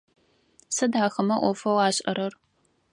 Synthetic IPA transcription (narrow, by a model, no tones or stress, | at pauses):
sɐdaːxɐmɐʔʷɔfɐwaːɕʼɐ̰ɾɐr